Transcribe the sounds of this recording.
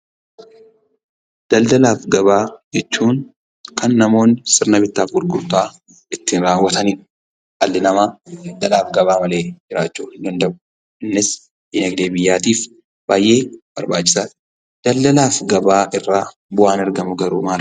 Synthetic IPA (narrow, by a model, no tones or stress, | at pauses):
d̪̥ɐld̪ɐlaːfɡɐbaːd͡ʒɛt͡ʃːuːŋ | kɐnːɐmo̞ːnsɪɾnɐbɪt̪ːaːfɡʊlɡʊɾt̪aː | ʔɪt̪ːɪnɾaːwːɐt̪ɐniː | ɐlːɪnɐmaːd̪̥ɐlaːfɡɐbaːmɐle̞ːd͡ʒɪɾaːt͡ʃːuːhɪnd̪ɐnd̪ɐʔʊ̥ | ʔɪnːɪs | ʔɪnɛɡd̪eːbɪjːaːt̪iːf | b̥aːjʔe̞ːb̥ɐɾbaːt͡ʃːɪ̥sɐ | d̪̥ɐld̪ɐlaːfɡɐbaːʔɪrːaː | bʊʔaːnɐɾɡɐmʊɡɐɾṵːmaːl